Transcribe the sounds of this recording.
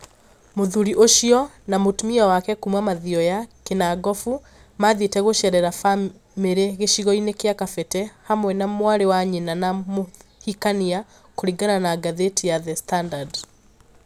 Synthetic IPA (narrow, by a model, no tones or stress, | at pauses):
moðuɾiʔoʃiɔ | namotumiɔwakɛkumwamaðiɔjakenaɡɔfu | maðitɛɣoʃɛɾɛɾafa | meɾeɣeʃiɣɔinekjakafɛtɛhamwɛnamwaɾewaɲenanamohikania | koɾiɡananaɡaðetijaðɛstandad